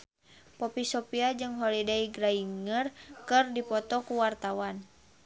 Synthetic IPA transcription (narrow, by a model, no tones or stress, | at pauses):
pɔpisɔpiad͡ʒɨŋɦɔlidaiɡɾaiŋərkɨrdipɔt̪ɔkuwart̪awan